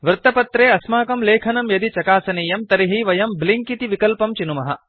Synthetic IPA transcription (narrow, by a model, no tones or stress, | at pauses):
ʋɾt̪ɐpɐt̪ɾeːɐsmaːkɐmleːkʰɐnɐmjɐd̪it͡ʃɐkaːsɐniːjɐmt̪ɐɾiɦiʋɐjɐmbliŋkit̪iʋikɐlpɐmt͡ʃinumɐɦɐ̰